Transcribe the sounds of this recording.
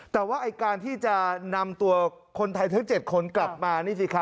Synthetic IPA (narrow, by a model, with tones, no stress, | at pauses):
t̪ɛː˨˩waː˥˩ʔa˧jkaː˧nt̪ʰiː˥˩t͡ɕa˨˩na˧mt̪u˧ɐ | kʰo˧nt̪ʰa˧jt̪ʰa˦˥ŋt͡ɕe˨˩t̪̚kʰo˧nkla˨˩p̚maː˧naː˥˩si˧˩kʰa˦˥